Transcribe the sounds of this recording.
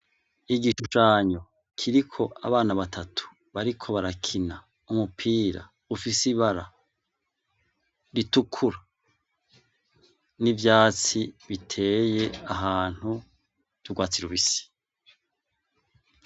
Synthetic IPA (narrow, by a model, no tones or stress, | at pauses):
iɡiʃuʃaːɲo̞ | kʰiɾikʰo̞ʔa̰βaːnaβatʰatʰu̥ | βaɾikʰo̞βaɾakʰina | umupʰiːɾa̰ | ufisiβaɾa | ɾitukʰuɾa | nivjaːt͡siβitʰe̞ːje̞aɦaːn̥hu | d̥uɡwaːt͡siɾuβisi̥